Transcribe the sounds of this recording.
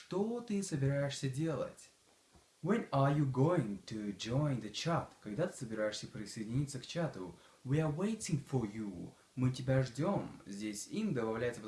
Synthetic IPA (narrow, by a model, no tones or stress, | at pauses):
ʂt̪ot̪ɨsəbʲɪɾajɪʂsʲədʲe̞lˠə̰tʲ | wɛnajuɡoɪ̃ŋt̪ʰud͡ʒoɪnd̪ət͡ɕat̪kɐɡd̪at̪ɨ̥səbʲɪɾajɪʂsʲəpɾʲɪsəɪdʲɪnʲit̪sːəkt͡ɕat̪ʊ | wiawejtʲɪ̃ŋfəju | mɨtʲɪbʲaʐdʲomzʲdʲesʲind̪əbɐvlʲæjɪt̪səp